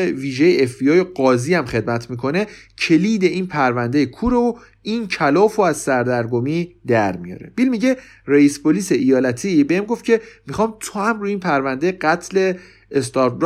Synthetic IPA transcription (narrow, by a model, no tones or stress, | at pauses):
viːʒejeefbiɒːjeɢɒːziːæmχe̞d̪̚mæt̪ʰmiːkʰo̞ne̞cʰe̞liːd̪e̞ʔiːnpʰæɾvænd̪ejekʰuːɾeo | iːncʰælɒːfoæzsæɾd̪æɾɡomiːd̪æɾmḭjɒ̰ːɾe̞̰b̥ilmiɟe̞ | reispʰoliːse̞ʔijɒːlæt̪ʰibeemɡo̞ft̪̚cʰe̞mixɒːmt̪ʰohæmɾuiːnpʰæɾvænd̪e̞jɢæt̪ʰle̞ː | st̪ɒɾt̪ɾ